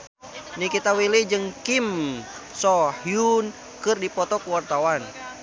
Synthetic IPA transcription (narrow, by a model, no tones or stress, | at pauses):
nikit̪awilid͡ʒɨŋkimsɔhjun | kɨrdipɔt̪ɔkuwart̪awan